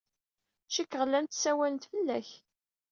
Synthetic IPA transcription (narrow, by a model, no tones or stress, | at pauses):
t͡ʃːikːʁəlːænt̪sæwælənt̪fəlːæç